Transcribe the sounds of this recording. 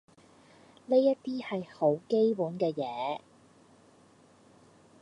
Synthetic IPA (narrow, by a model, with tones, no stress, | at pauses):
le˥jɐ˥t̚t̪iː˥hɐ˨jho˨˥wke˥jpuː˨˥nkɛː˧jɛː˨˥